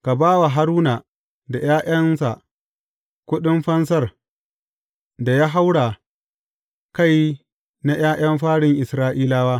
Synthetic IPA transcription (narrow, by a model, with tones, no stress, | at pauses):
ka˨baː˦wa˨ɦa˦ɾuː˦na˨ | da˨jaː˦ʔɐ˦nsa̰˨ʔ | kʷʊ˦ɗɪ˦mɸɐ˦ns̬ɐ˦˨r | da˨jaː˦ɦa˦wɽa˨ | ka˦˨j | na˦j̰aː˦j̰ɐ˦mɸaː˦ɽɪ˨ŋʔɪ˨sɾaː˦ʔiː˦laː˦waː˦